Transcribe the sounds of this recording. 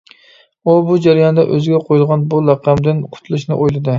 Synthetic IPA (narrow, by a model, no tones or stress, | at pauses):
obud͡ʒæɾjɑnd̪ɛ̰ʔøzɪɡʲɛqʰojilˠʁɑnbuɾɑqʰːæmd̪ɪnqʰʊ̥t̪ʰulˠɨʃnɪʔojlˠɨd̪ɨ